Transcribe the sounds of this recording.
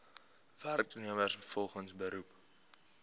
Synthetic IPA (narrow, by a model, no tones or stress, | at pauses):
værk̚tuniəməəsfəfɔlˠχənsbəɾup